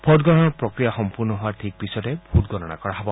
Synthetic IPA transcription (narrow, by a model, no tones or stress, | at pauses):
pʰɔdɡɔɾɔnɔɹpɹɔkɹijaxɔmpuɹnɔɦɔwaɹtʰik̚pisɔtɛbʱutɡɔɾɔna̰kɔɹaɦɔbɔ